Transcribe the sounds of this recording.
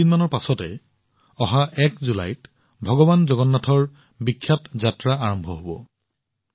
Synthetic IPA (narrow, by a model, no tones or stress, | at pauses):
inmanɔɹpasɔtɛ | ɔɦaʔɛkzula̰jt | bʱɔɡɔbanzɔɡɔnːatʰɔɹ | bikʰːjatzatɹaaɹɔmbʱɔɦobɔ̰